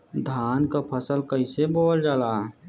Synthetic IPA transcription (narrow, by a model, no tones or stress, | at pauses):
d̪ʱaːnkapʰəsəlkəɪseboːld͡ʒaːlaː